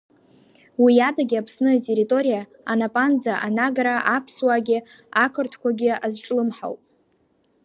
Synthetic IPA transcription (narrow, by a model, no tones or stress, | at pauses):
wijadaɡʲɪapʰsnɨatʼeɾitʼo̞ɾija | anapʼand͡zaʔanaɡɾaʔapʰswaɡʲɪ | akʰɨrtʰkʷʰaɡʲɪazʈ͡ʂʼlɨmħa̰wpʼ